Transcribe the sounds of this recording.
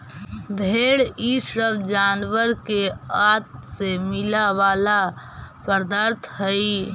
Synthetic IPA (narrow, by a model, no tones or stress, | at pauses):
bʱeːɽisɾəbd͡ʒaːnʋəɾkeaːt̪̚semɪlaʋaːla | pəɾd̪əɾt̪ʰɦəi